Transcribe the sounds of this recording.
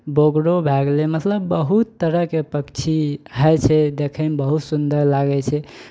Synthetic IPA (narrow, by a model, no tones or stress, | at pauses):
boɡɽobʱɛɡlemət̪ləbːəɦut̪ːəɾəkepəkt͡ʃʰiɦət͡ʃʰɛd̪ekʰɛmebəɦut̪sund̪əɾlaɡɛt͡ʃʰɛ